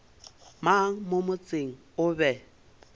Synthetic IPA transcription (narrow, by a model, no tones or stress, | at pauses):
maŋ̩momʊt͡sʼeŋ̩ | ʊbɛ